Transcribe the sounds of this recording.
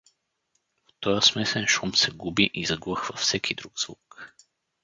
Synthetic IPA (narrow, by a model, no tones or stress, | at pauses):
ft̪ɔjəsmɛsɛnʃɔmsɛɡubiʔizɐɡvəxvɐfsɛkʰid̪ɾuɡz̥vuk